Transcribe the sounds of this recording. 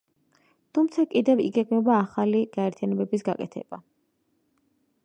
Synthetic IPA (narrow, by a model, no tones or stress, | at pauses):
t̪ʰumt̪sʰakʼid̪ɛvḭɡɛɡmɛbaːχaliɡ̥aɛɾt̪ʰijanɛbɛbisɡa̰kʼɛt̪ʰɛ̰b̥a